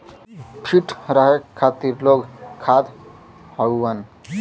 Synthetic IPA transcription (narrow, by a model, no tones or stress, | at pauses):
pʰiʈʰɾəɦekʰːat̪iɾloɡkʰːad̪ | həʋən